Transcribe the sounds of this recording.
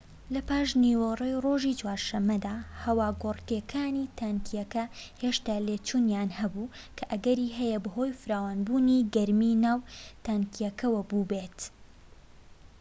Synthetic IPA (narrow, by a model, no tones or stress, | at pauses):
lɐpaːʃniwɐrˤejro̞ʒit͡ʃwaːɾʃɐmːɐd̪aːhɐwaːɡorkeːkʰaːniːt̪ʰaŋkʰijɐkɐheʃt̪aːleːt͡ʃunjaːnhɐbukʰɐʔɐɡɐɾiɦɛjɛbɐɦo̞jfɨɾaːwaːnbuːniɡɐɾminaːwt̪aːŋkijɛkɐwɐbubeːt̪